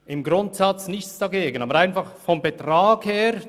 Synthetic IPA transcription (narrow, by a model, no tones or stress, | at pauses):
ʔɪmɡɾʊntsɑt͡snɪçt͡sd̥ɑɡeːɡənɑːbəɾaɪnfɑχfɔmbɛtʁaːɡ̥heːɾ